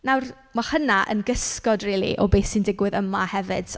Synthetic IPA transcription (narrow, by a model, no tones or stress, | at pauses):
nawr | mahənaʔə̰nɡəskɔdriːlˠḭʔɔbeːsindɪɡwɨðəmahɛvɨd̥